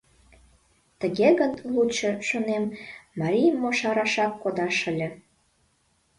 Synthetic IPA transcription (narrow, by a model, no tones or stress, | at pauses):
t̪əɣeɣənlˠut͡ɕɤ̆ʃonemːɑɾʲijmːoʃɑɾɑʃɑkːod̪ɑʃə̆lʲə̆